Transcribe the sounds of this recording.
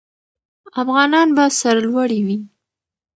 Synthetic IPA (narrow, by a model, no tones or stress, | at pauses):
afɣɑnɑnbasaɾalwaɽiwi